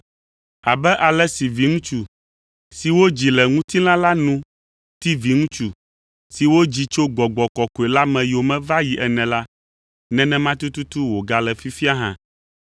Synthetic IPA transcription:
a˨bɛ˦ʔa˨lɛ˦si˨vi˨˦ŋũ˦t͡ʃu˨ | si˨wo˦d͡ʑi˨lɛ˨ŋũ˦t̪i˦l̃ã˦la˦nũ˦ | t̪i˦vi˨ŋũ˦t͡ʃu˨ | si˨wo˦d͡ʑi˨t͡ʃo˦ɡ͡bɔ˨ɡ͡bɔ˨kɔ˨ko˨e˨la˦mɛ̃˨jo˨mɛ̃˦va˦ji˨ʔɛ˨nɛ̃˨la˦ | nɛ̃˦nɛ̃˦mã˦t̪u˦t̪u˦t̪u˦wo˨ɡa˨lɛ˨fi˦fi˦a˦ɦã̰˦

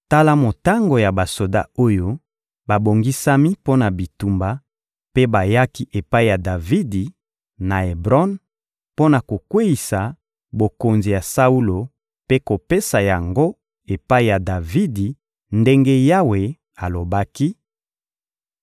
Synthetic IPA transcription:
ta˦la˦mo˨ta˦ŋɡo˨ja˨ba˨so˨da̰˦o˦jo˦ | ba˨bo˨ŋɡi˦sa˦mi˦po˦na˨bi˨tu˨mba˨ | pe˦ba˨ja˦ki˦ʔe˨pa˦i˨ja˨da˨vi˦di˨ | na˨e˨bʁɔ˦n | po˦na˨ko˨kwe˦i˨sa˨ | bo˨ko˨nzi˨ja˨sa˦u˦lo˨ | pe˦ko˨pe˦sa˨ja˨ŋɡo˦ | e˨pa˦i˦˨ja˨da˨vi˦di˨ | nde˦ŋɡe˦ja˦we˨ | a˨lo˨ba˦ki˦

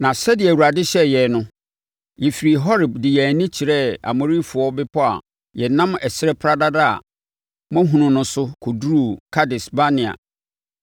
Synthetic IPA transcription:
nã˨sɛ˦dɪ˨ɛ˨wu˨ɾa˨dɪ˦ɕɛ˦jɛ˨nʊ̃˦ | jɛ˨fi˨ɾi˨ɦɔ˦ɾɪ˨bdɪ˨jɛ˨nĩ˦t͡ɕʰi˨ɾɛ˦a̰˨mɔ̃˨ɾi˦fʊ˨ɔ˦bɪ˦pʰɔ˦a̰˨ | jɛ˨nã˦mɛ˨sɪ˦ɾɛ˦pʰɾa˦da˦da̰˦˨ | mɔ̃˦ɦũ˨nʊ̃˨nʊ̃˨sʊ˦kʰʊ˨du˦ɾuo˦˨kʰa˦dɪ˨sba˦nɪ̃˨a̰˨

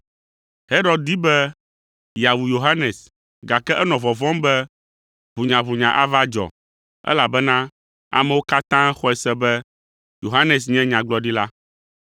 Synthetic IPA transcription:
he˦ɾɔ˦d̪̚di˦bɛ˦ | ja˨wu˨jo˨ɦa˦nɛ˨s | ɡa˨kɛ˦ʔɛ˦nɔ̃˨vɔ˨vɔ̃˦mbɛ˦ | ɸu˨ɲã˨βu˨ɲã˨ʔa˦va˦d͡ʒɔ̰˨ | ɛ̰˦la˨bɛ˦nã˦ | a̰˨mɛ̃˨wo˦ka˦t̪ã˦xɔ˦ɛ˨sɛ˦bɛ˦ | jo˨ɦa˦nɛ˨s̬ɲɛ̃˦ɲã˨ɡ͡blɔ˦ɖi˦la˦

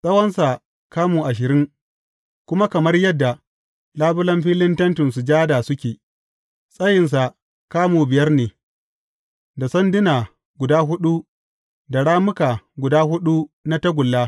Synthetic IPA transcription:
sʼɐ˦wɐ˦nsa˨ | kaː˦muː˨ʔa˨ʃɪ˨ɾɪ˦ŋ | kʷʊ˦ma˦kɐ˨mɐ˦rjɐ˦dːa˨ | laː˦bʊ˦lɐ˦mɸiː˦lɪ˦ntɐ˦ntɪ˨nsu˨d͡ʒaː˦da˨sʊ˦kʲeː˨ | sʼɐ˦jɪ˨ns̬a˨ | kaː˦muː˨bɪ˨jɐ˦rneː˨ | da˨sɐ˦ndɪ˦naː˨ | ɡʷʊ˨daː˦ɦʊ˦ɗu˦ | da˨ɽaː˦mʊ˦kaː˨ɡʷʊ˨daː˦hʊ˦ɗu˦na˦tɐ˦ɡʷʊ˨lːaː˦

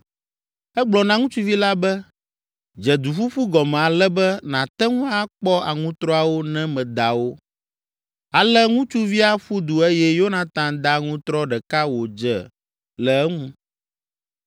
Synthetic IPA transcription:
ɛ˦ɡ͡blɔ˨nã˦ŋũ˦t͡ʃu˦vi˦la˦bɛ˦ | d͡ʒɛ˨d̪u˨fu˦ɸu˦ɡɔ˨mɛ̃˨a˨lɛ˦bɛ˦nã˨t̪ɛ˦ŋũ˦a˦k͡pɔ˦a˨ŋũ˦t̪ɾɔ˦a˨wo˦nɛ̃˦mɛ̃˨d̪a˨wo˦ | a˨lɛ˦ŋũ˦t͡ʃu˦vi˦a˦ɸu˦d̪u˨e˦jɛ˦jo˦nã˨t̪ã˨d̪a˦ŋũ˦t̪ɾɔ˦ɖɛ˨ka˦wo˨d͡ʒɛ̰˨ | lɛ˨ɛ˦ŋũ˦

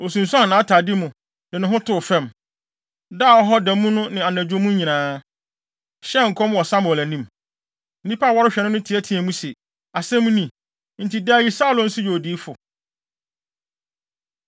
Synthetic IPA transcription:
o˨sũ˨n̩˨sã˦˨nãː˨˦tʰa˨dɪ˦mũ˨ | dɪ̃˨nʊ̃˨ɦʊ̃˦tʰʊ˦˨fɛ̃˦˨m | da˦˨ɔ˦ɦɔ˦dæ˨mũ˦nʊ̃˦nɪ̃˨a˨næ̃˨d͡ʑᶣõ˦mũ˦ɲĩ˨nãː˦ | ɕɛ˦ŋ̩˨kʰɔ̃˦m˦wɔ˨sa˦m˨ɔ˨læ˨nĩ˦m | n̩˦nĩ˦pʰa˦˨wɔ˦ɾɪ˦ɕᶣɛ˨nʊ̃˦nʊ̃˦tʰi˨æ˦tʰĩ˨˦æ̃˨mũ˦se˨ | a˨sɛ̃˦mũ˦nĩ˨ | n̩˨ti˨da˦ji˦sa˦˨lɔ̃˨n̩˦sʊ˦jo˨diː˨˦fʊ˨

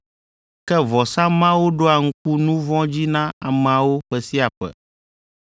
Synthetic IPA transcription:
kɛ˦vɔ˨sã˦mã˦wo˦ɖo˦a˨ŋ̩˦k̚u˦nũ˦vɔ̃˦d͡ʑi˦nã˦a˨me˨a˨wo˦ɸɛ˦si˦a˨ɸɛ̰˨

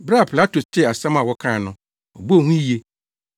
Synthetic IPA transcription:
bɾa˦˨pʰla˦tʰo˨st͡ɕɪ˦˨a˨sã˦mã˨wɔ˦kʰã˦˨nʊ̃˦ | ɔ˨bo˦˨hũ˦i˦je˦

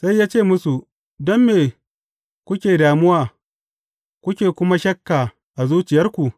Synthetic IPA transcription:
sa˦jːaː˦t͡ʃeː˦˨mʊ˦su˨ | dɔ˦mːeː˨ | kʷʊ˦kʲeː˨daː˨mʊ˦waː˨ | kʷʊ˦kʲeː˨kʷʊ˦ma˦ʃɐ˦kːaː˨ | ʔa˨zuː˦t͡ʃɪ˨jɐ˦rkʷu˨ʔ

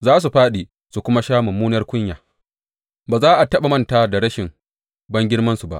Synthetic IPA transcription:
zaː˦s̬u˨ɸaː˦ɗiː˨ | su˨kʷʊ˦ma˦ʃaː˦mʊ˨mːuː˦nɐ˦rkʷʊ˦ɲjaː˨ | baː˨zaː˦ʔa˨tɐ˦ɓa˨mɐ˦nta˦da˨ɽɐ˦ʃɪ˨m | bɐ˦ŋɡʲɪ˦ɽmɐ˦nsu˨ba̰˨ʔ

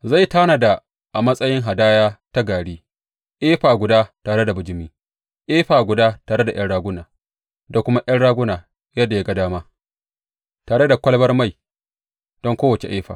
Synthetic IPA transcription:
za˦˨jtaː˦na˨da˨ | ʔa˨mɐ˦sʼɐ˦jɪ˦ŋɦa˨daː˦jaː˦ta˦ɡaː˨ɽiː˦ | ʔeː˦ɸaː˨ɡʷʊ˨daː˦taː˨ɽe˦da˨bʊ˨d͡ʒɪ˦miː˦ | ʔeː˦ɸaː˨ɡʷʊ˨daː˦taː˨ɽe˦da˨j̰ɐ˦ɽaː˦ɡʷʊ˦naː˨ | da˨kʷʊ˦ma˦ʔɐ˦nɽaː˦ɡʷʊ˦naː˨ | jɐ˦dːa˨ja˦ɡa˨daː˦maː˦ | taː˨ɽe˦da˨kʷɐ˦lbɐ˦rma˦˨j | d̥ɔ˦ŋkʷoː˦wɐ˨t͡ʃḛ˨ʔeː˦ɸa̰ː˨

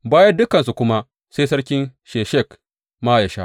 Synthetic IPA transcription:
baː˦jɐ˦dʊ˦kɐ˨nsu˨kʷʊ˦ma˦ | se˦jsɐ˦ɽkʲɪ˦nʃeː˨ʃɛ˦˨k | maː˦ja˨ʃa̰˦

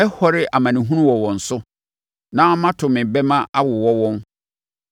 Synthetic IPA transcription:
ɛ˦hɔ˦ɾɪ˦ʔa˨mã˨nɪ̃˨ɦũ˦ɾũ˦wɔ˨wɔ̃˨n̩˨sʊ˦ | nã˦mã˦tʰʊ̃˨mɪ̃˨bɛ˦mã˦ʔa˦wʊ˨wɔ˦wɔ̃˦n

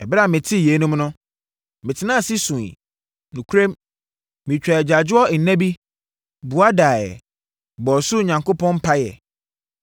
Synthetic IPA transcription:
ɛ˨ba˦˨mɪ̃˨tʰɪ˦˨je˨˦nũ˦mnʊ̃˦ | mɪ̃˨tʰɪ˨nã˦˨sɪ˦sũ˨ḭ˨ | nʊ̃˨kʰu˦ɾẽ˦m | mĩ˨t͡ɕᶣɾa˨d͡ʑa˨d͡ʑʊ˦ɔ˦˨n̩˨nːɛ̃˦bi˦ | bu˨a˦daː˨jɛ̰˨ | bɔ˨sʊ˦˨ɲã˨ŋkʰo˦pʰɔ̃˦m˦pʰa˦jɛ̰˨

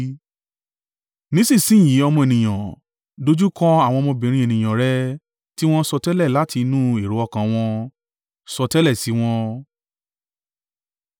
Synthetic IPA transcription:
nĩ˨˦sĩ˦˨sĩ˦˨j̃ĩ˨˦ɔ˧mɔ̃˧e˨nĩ˨j̃ã˨ | do˦d͡ʒu˦kɔ̃˦a˦˨w̃ɔ̃˧mɔ̃˧bĩ˨ɾ̃ĩ˧˦e˨nĩ˨j̃ã˨ɾɛ˦ | ti˦w̃ɔ̃˦sɔ˧tɛ˦lɛ˦˨la˨˦ti˧nũ˦e˨ɾo˨˦ɔ˦˨kã˨w̃ɔ̃˧ | sɔ˧tɛ˦lɛ˦˨si˨˦w̃ɔ̃˧

